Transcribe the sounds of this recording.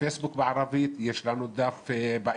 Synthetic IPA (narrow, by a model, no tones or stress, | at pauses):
fesbukbaʕɾˤɑviːt̪jeʃlanud̪afbaʔ